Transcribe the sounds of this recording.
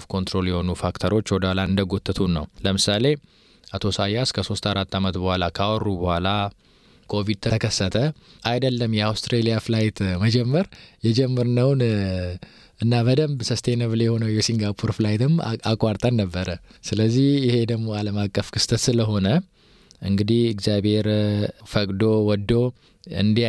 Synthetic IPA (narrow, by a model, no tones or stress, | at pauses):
fkʰo̞nt̪ɾo̞ljɛho̞nufakt̪ʰəɾo̞t͡ʃːwɔd̪alaɨnd̪əɡo̞t̪ʼːɨt̪ʰunːə̰wləmɨsale̞ | at̪ʰo̞sajːaskʰəso̞st̪ʰaɾat̪ːamət̪bəhʷalakʰawɔrːubəhʷala | kʰo̞vid̪̚t̪ʰət̪əkʰəsːət̪ʰə | ajd̪əlːəmjɛawst̪ʰɾelijaflajt̪ʰməd͡ʒɛmːəɾjɛd͡ʒɛmːəɾnəwn | ɨnːabəd̪əmbsəst̪ʰenəβljɛho̞nəwjɛsiŋɡapʰuɾflajt̪ɨmakʼːaɾt̪ʼanːəbːəɾəsɨləzːihjɪhe̞d̪əɡmo̞aləmakʼːəfkʰɨst̪ʰət̪sɨləɦo̞nə | ʔɨŋɡɨd̪ihɪɡzjabhe̞ɾfəkʼd̪o̞wɔd̪ːo̞ | ɨ̰nd̪i